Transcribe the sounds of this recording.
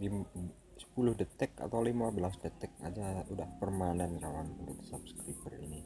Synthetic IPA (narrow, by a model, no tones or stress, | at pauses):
lim | sə̥pulʊhdət̪ɛka̰t̪awlimabəlasdət̪ɛk̚a̰d͡ʒaudahpərmanankalanudut̪sap̚sə̥kɾipərḭni